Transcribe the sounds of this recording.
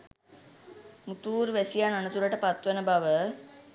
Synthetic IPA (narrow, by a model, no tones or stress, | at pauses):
mut̪uːɾʋæsijananət̪uɾəʈəpat̪ʋənəbaʋə